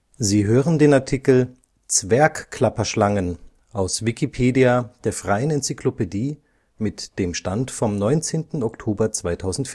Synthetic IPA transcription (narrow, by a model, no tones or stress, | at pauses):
ziːɦøːʁəndeːnaɐtʰikl̩ | t͡sv̥ɛɐkkʰl̥apɐʃlaŋən | ʔaʊsvikʰipʰeːdiad̥eːɐfʁ̥aɪənɛnt͡sikʰlopediː | mɪtd̥eːmʃtantfɔmnɔʏnt͡seːntn̩ɔktʰoːbɐt͡sv̥aɪtʰaʊzn̩tf